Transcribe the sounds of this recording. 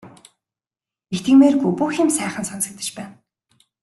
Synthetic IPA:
ext̪ĭŋmeːrɡujpuːxʲiːmsæːχə̆nsɔnsə̆k̚t̪ə̥̆t͡ɕpæːn

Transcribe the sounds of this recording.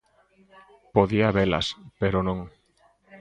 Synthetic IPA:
poðiaβelɐ̰speɾonõŋ

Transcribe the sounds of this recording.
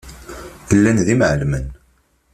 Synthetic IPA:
əlːænðimʕəlmən

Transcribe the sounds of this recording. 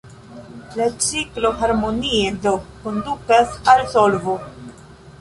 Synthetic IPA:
lat͡siklo̞ɦaɾmo̞niedo̞kondukasalsolvo

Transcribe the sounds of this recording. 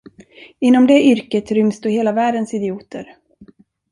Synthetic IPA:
ɪnːɔmd̪ɛʔʏɾkət̪ɾʏmsd̪uːheːlavæːɖənsɪd̪ɪuːt̪ə̰ɾ

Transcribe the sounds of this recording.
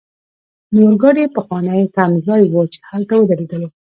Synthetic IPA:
noɾɡɑɽepəxwɑnajet̪amzɑjwət͡ʃe̥halt̪awəd̪aɾed̪əlo

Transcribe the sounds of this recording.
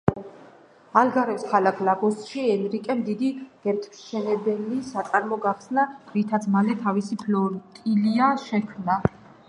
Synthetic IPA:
alɡaɾɛskʰalakʰlaɡɔst̪ʼʃiɛnɾikʼɛmd̪id̪iɡ̥ɛɾt̪ʰpʃt͡ʃʰɛnɛbɛlisat̪sʼaɾmɔɡaχsnaɾit̪ʰat̪sʰmalɛt̪ʰavisipʰlɔɾt̪ʼiliaʃɛkʰmna

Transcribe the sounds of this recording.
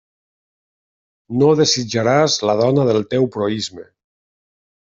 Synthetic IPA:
noðezid͡ʒaɾazlað̞ɔnaðəlˠt̪ewpɾoizme

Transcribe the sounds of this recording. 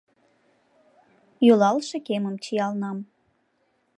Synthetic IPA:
jølɑlʃĕkeməmt͡ɕijɑlnɑm

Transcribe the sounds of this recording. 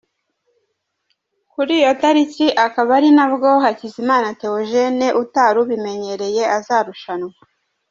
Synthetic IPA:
kuɾiːjo̞taɾiciʔakaβaɾinabɡo̞ɦacizimaːnate̞oʒe̞neʔutaːɾuβime̞ɲe̞ɾe̞je̞ʔazaːɾuʃanwa

